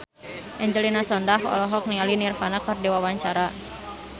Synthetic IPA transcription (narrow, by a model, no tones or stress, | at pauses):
ʔɛɲd͡ʒəlinasɔndaɦɔ̰lɔɦɔk̚niŋalinirfanakardiwawaɲt͡ʃaɾa